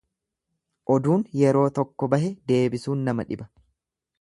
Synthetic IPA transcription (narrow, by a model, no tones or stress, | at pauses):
ʔɔd̪uːnjɛɾo̞ːt̪ɔkːɔbɐhɛd̪e̞ːbɪsuːnːɐmɐ̰ᶑɪbɐ